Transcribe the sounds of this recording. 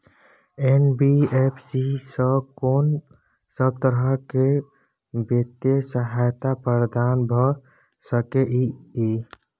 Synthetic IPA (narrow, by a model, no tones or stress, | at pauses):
enbiepʰsisəkon | səb̚t̪əɾəɦke | bet̪əsəɦajt̪apɾəɾd̪anbʱɔ | səkeʔii